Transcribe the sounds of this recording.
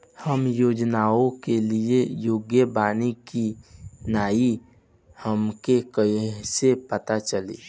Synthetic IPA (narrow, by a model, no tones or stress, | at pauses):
həmjoːd͡ʒnaːõkeliejoːɡjəbaːnikinaːi | həmkekəɦsepət̪at͡ʃəlḭː